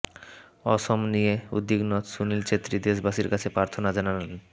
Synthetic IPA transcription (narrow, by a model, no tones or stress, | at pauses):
ɔʃomnijeud̪ːiɡnɔt̪sunilt͡ɕet̪ːɾid̪eʃ̬baʃiɾkat͡ɕʰepɾaɾt̪ʰonad͡ʑanaleln